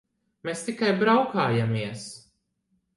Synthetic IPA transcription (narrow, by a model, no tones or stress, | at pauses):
mest̪ikajbɾawkaːjamiɛs